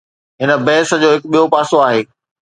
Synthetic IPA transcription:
ɦɪnə̆bɛɦɪsə̆d͡ʑoːɦɪkɓijopaːsoaːɦeː

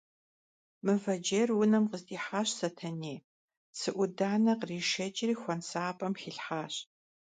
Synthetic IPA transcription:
mɨvɐd͡ʒeːrwʊnɐmqəzdiːħaːɕsɐtʰɐneː | sɨʔʷʊdaːnɐqriːʃɐd͡ʒʼɪriːxʷɔnsaːpʼɐmxiɬħaːɕ

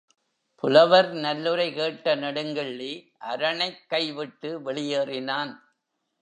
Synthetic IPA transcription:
pʊlɐʋɐɾnɐlːɯɾɐɪkeːʈːɐnɐɽɯŋɡɪɭːi | ʔɐɾɐɳɐɪkːɐɪʋɪʈːɯʋɛɭɪjeːrɪnaːn

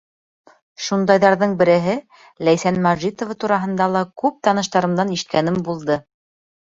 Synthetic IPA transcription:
ʃund̪ɑjðɑɾðɤɴbɘ̆ɾɘ̆ɦɘ | læjsænmɑʒit̪ŏvɑt̪uɾɑɦɤ̆nd̪ɑlˠɑkʉp̚t̪ɑnɤ̆ʃt̪ɑɾɤ̆md̪ɑniʃɘ̆t̪̚kænɘmbulˠd̪ɤ

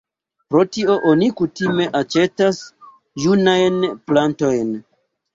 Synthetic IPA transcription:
pɾo̞tio̞ʔonikutime̞ʔat͡ʃe̞tas | junajnplanto̞jn

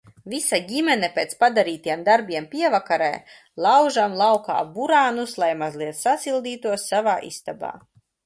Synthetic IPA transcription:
visaɟimɛnɛpʲeːt̪spad̪aɾiːt̪ijɛmd̪aɾbʲiɛmpʲiɛvakaɾɛ̰ː | lˠawʒamlˠawka̰ːbuɾaːnuslˠajmazlˠiɛt̪sasilˠd̪iːt̪uɔsːavaːʔḭst̪aba̰ː

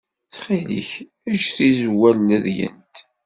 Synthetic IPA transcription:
θχilḭç | æd͡ʒθizwælːæðjə̰nt̪

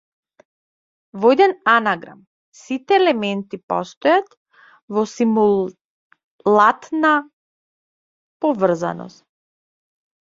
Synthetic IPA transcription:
vɔɛd̪ɛnanaɡɾa̰m | sit̪ɛːlɛmɛnt̪ipɔst̪ɔjat̪ | vɔsimul | lˠat̪na | pɔvr̩za̰nɔ̰st̪

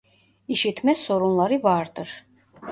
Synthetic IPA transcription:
iʃit̪ʰmɛsɔɾunlˠaɾivaːɾd̪ʼəɾ

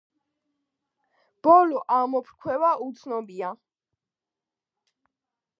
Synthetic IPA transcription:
b̥ɔlɔʔamɔpʰɾkʰwɛvaʔut̪sʰnɔbia

